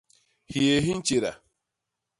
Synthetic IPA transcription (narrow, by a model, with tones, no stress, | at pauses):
hi˨e˨ɦi˦n̩˦t͡ʃi˨ɾa̰˨